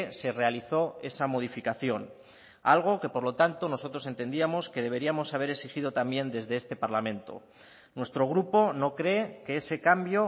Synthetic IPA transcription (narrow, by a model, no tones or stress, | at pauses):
se̞re̞aliθo̞e̞samo̞ð̞ifikaθjo̞n | a̰lɣ̞o̞ke̞po̞ɾlo̞t̪ant̪o̞no̞so̞t̪ɾo̞se̞nt̪e̞nd̪iamo̞ske̞ðe̞β̞e̞ɾiamo̞saβe̞ɾesixið̞o̞t̪ambje̞nd̪e̞zðe̞est̪e̞paɾlamẽ̞nt̪o̞̰ | nwe̞st̪ɾo̞ɣ̞ɾupo̞no̞kɾe̞ke̞ese̞kambjo̞